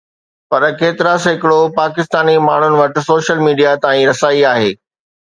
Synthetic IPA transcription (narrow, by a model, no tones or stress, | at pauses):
pɐɾkeːt̪ɪɾasɦɪkɪɽopaːkɪst̪aːnimaːɳ̤ʊnɪ̆ʋɐʈɪ̆soːʃəlmiːɖijat̪aːĩɾɐsaːiaːɦeː